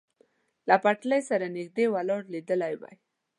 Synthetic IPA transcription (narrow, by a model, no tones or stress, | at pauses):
lapaʈləjsaɾanɪɡd̪ewalɑɽlid̪əlajwa̰j